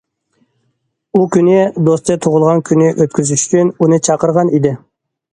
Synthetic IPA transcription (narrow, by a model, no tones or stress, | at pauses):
ukʲʰynɪd̪ost̪ʰɨt̪ʰoʁʊlˠʁɑnkʲʰynɪʔøt̪̚kʲyzyʃy̥t͡ʃʲʰynunɨt͡ʃʰɑqəɾʁɑnid̪ɪ